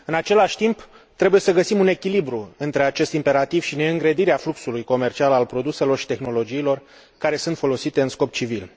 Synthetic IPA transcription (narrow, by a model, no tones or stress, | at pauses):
ɨnat͡ʃe̞laʃʲt̪imp | t̪ɾe̞buje̞səɡəsimune̞kʲilibɾuɨnt̪ɾe̞at͡ʃe̞st̪impe̞ɾat̪iv̥ʃine̞ɨŋɡɾed̪iɾeafluksulujko̞me̞rt͡ʃialalpɾo̞d̪use̞lo̞rʃi̥t̪e̞xno̞lo̞d͡ʒiːlo̞r | kaɾe̞sɨnt̪fo̞lo̞sit̪e̞ɨnsko̞p̚t͡ʃivil